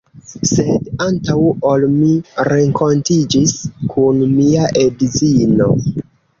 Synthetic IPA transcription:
se̞dantawolmiɾe̞ŋkʰo̞ntid͡ʒiskʰunmiaʔedzino̞

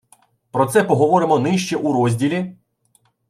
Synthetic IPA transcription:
pɾɔt̪sɛpɔɦɔʋɔɾɪmɔnɪʃt͡ʃɛʔuɾɔzʲdʲilʲi

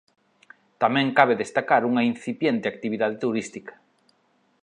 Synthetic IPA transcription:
t̪amɛ̃ŋkaβeðest̪akaɾuŋɐin̟θipjent̪eak̚t̪iβiðað̞et̪uɾist̪ikɐ̥

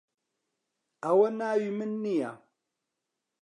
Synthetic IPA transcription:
awənajimɨnːia̰

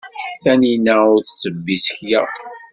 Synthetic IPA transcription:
θæninæʊɾθt͡sːəbːisə̥çjæ̰

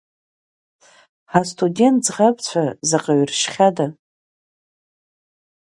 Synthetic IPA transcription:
ħastʰʼudʲe̞ntzʁapt͡ɕʷʰazaqʼaɥrʃχʲada

